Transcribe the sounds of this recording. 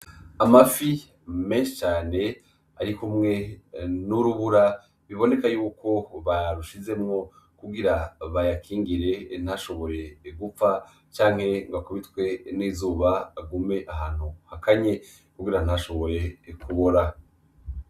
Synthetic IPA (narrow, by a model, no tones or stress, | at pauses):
amafi | me̞ːnʃi̥t͡ʃaːne̞ | a̰ɾikumŋe̞nuɾuβuɾa | βiβo̞ne̞kajuːko̞βaɾuʃize̞mŋo̞ | kuɡiɾaβajakʰiːŋɡiɾe̞n̥haʃo̞βo̞ɾe̞ɡup͡fa | t͡ʃaːŋ̥he̞ŋɡakuβitwe̞niːzuːβaɡume̞ʔaɦaːn̥huhakʰaɲe̞ | kuɡiɾan̥aʃo̞βo̞ɾe̞kʰuβoɾa